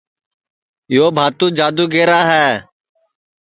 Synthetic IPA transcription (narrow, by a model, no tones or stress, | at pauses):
joːbʱaːt̪ũːd͡ʒaːd̪uːɡeːɾaːɦɛː